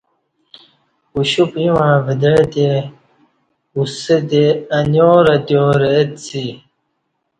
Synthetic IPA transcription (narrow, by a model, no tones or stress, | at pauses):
uɕupĩwãːvid̪et̪e | uset̪eɐnoːɾɐt̪joːɾet̪t͡si